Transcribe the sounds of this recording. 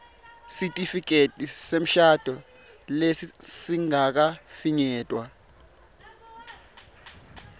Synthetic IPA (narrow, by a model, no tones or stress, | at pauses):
sitʼifik̬ʼetʼisem̩ʃad̥ʱɔ | lesisiŋak̬afiɲɛːtʼwa